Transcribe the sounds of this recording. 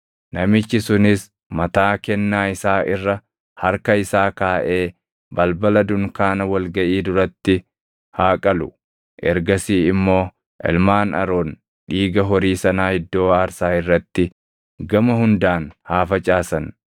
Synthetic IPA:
nɐmɪt͡ʃːɪsʊnɪs | mɐt̪aːkɛnːaːɪsaːʔɪrːɐ | hɐɾkɐɪsaːkaːʔe̞ː | bɐlbɐlɐd̪ʊŋkaːnɐwɐlɡɐʔiːd̪ʊɾɐt̪ːɪ | haːkʼɐlʊ | ʔɛ̰ɾɡɐsiːɪmːo̞ː | ʔɛ̰lmaːnɐ̰ɾoːn | ᶑiːɡɐɦɔɾiːsɐnaːhɪd̪ːo̞ːaːɾsaːɪrːɐt̪ːɪ | ɡɐmɐhʊnd̪aːnhaːfɐt͡ʃʼaːsɐn

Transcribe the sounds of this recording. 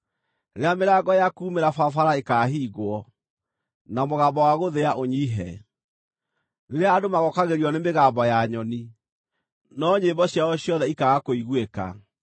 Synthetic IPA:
ɾeameɾaɣɔjakuːmeɾafafaɾaekaːɦiːɣwɔ | namoɣambɔwaɣoðeaʔoɲiɦɛ̰ | neɾeaːdomaɣɔkaɣeɾiɔnemeɣambɔjaɲɔni | nɔɲembɔɕjaɔɕjɔðɛikaɣakoiɣweka̰

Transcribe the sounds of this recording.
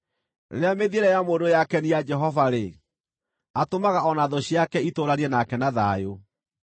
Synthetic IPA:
ḛeameðieɾɛjamodojakɛniad͡ʒɛɦɔvaɾe | atomaɣaɔnaðɔɕiakɛitoɾaɾiɛnakɛnaða̰jo

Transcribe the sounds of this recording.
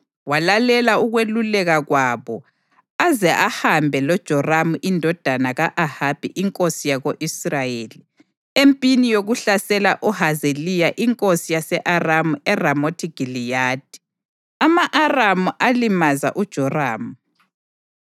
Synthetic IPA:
walalɛlauɣwelulɛɣaɣwaβɔ | azɛʔahambʱɛlɔd̥ʒ̥ʱɔramuʔindʱɔd̥ʱanaɣaʔahab̥ʱḭʔiŋkʼosijaɣoʔisrajeli | empʼinijoɣuɬasɛlaʔɔhazelijaʔiŋkʼosijasɛʔaramuɛramotʰiɡ̥ʱilijaːd̥̚ʱi̥ | amaʔaramuʔalimaza̰ʔud̥ʒ̥ʱɔraːmu

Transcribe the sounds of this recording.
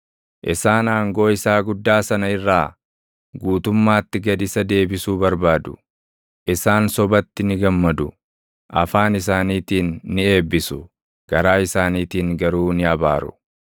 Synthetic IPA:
ʔɪsaːnaːŋɡo̞ːɪsaːɡʊd̪ːaːsɐnɐɪrːaː | ɡuːt̪ʊmːaːt̪ːɪɡɐd̪ɪsɐd̪e̞ːbɪsuːbɐɾbaːd̪ʊ̥ | ʔɪsaːnsɔbɐt̪ːɪnɪɡɐmːɐd̪ʊ̰ | ʔɐ̰faːnɪsaːniːt̪iːnːɪe̞ːbːɪsʊ | ɡ̥ɐɾaːɪsaːniːt̪iːŋɡɐɾuːnɪɐba̰ːɾʊ̰

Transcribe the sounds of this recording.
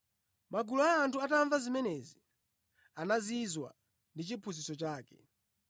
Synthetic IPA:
maɡulɔaːntʰuataɱvazimɛnɛzi | anazizwa̰ | ndit͡ʃipʰuzisɔt͡ʃaːkɛ̰

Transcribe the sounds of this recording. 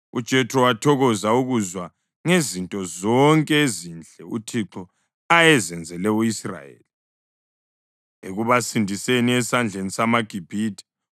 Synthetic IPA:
ṵd̥ʒ̥ʱɛtʰʼrɔwatʰɔɣɔzauɣuzwa | ŋezintʼɔzɔŋkʼɛezind͡ɮʱɛṵtʰiǁɔ | ajɛzɛnd͡zʱɛlɛuisra̰jḛːli | eɣuβasindʱiseniɛsand͡ɮʱenisamaɡ̥ʱib̥ʱiːtʰʼi̥

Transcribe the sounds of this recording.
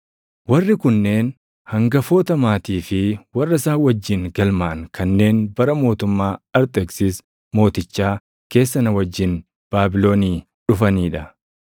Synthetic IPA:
wɐrːɪkʊnːe̞ːn | hɐŋɡɐfo̞ːt̪ɐmaːt̪iːfɪwɐrːɐsaːwɐd͡ʒːɪnɡɐlmaːɐnkʰɐnːe̞ːnbɐɾɐmo̞ːt̪ʊmːaːɐɾt̪ɛksɪs | mo̞ːt̪ɪt͡ʃːaː | ke̞ːsːɐnɐwɐd͡ʒːɪn | b̥aːbɪlo̞ːniː | ᶑʊfɐniːᶑɐ

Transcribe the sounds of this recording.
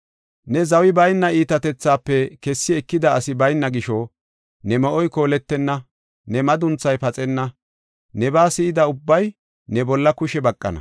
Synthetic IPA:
nɛzɐwɪbɐjnːɐiːt̪ɐt̪ɛt͡sːaːpːɛkɛsːɪɛkːɪd̪ɐːsɪbɐjnːɐɡɪʃɔ | nɛmɔʔɔjko̞ːlɛt̪ːɛnːɐ | nɛmɐd̪ʊnt͡sːɐjpɐt͡sʼɛnːɐ | nɛbaːsɪɪd̪ɐʊbːɐj | nɛbɔlːɐkʊʃɛbɐkʼːɐ̰nɐ̰

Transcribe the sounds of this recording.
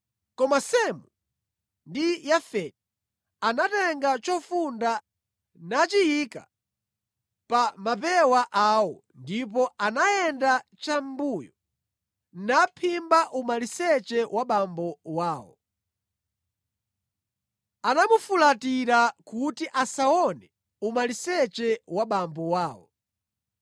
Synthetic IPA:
kɔmasɛmu | ndijafɛdi | anatɛŋɡat͡ʃɔfunda | nat͡ʃijika̰ | pamap̬ɛwaʔawɔ | ndip̬ɔanajɛndat͡ʃambujɔ | napʰimbaʔumalisɛt͡ʃɛwaɓambɔwaːwɔ̰ | anamufulatiɾakutiʔasaɔnɛ | umalisɛt͡ʃɛwaɓambɔwaːwɔ̰

